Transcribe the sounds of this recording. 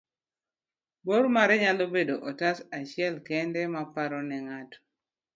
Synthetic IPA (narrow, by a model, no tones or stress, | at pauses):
boɾmaɾɛɲalobedoʔɔtasat͡ʃɪɛlkɛndɛmapaɾɔnɛŋatɔ̥